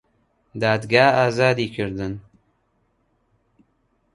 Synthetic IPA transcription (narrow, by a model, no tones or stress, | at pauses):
d̪aːd̪ɡaːaːzaːd̪iːkʰɨɾd̪ɨn